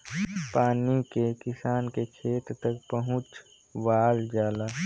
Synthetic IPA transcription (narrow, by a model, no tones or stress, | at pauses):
paːnikekɪsaːnkekʰeːt̪ɾt̪ɐk̚pɐɦʊ̃t͡ʃ | ʋaːld͡ʒaːlaː